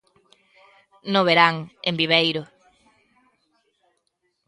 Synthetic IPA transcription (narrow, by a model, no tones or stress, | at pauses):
noβeɾaŋembiβejɾʊ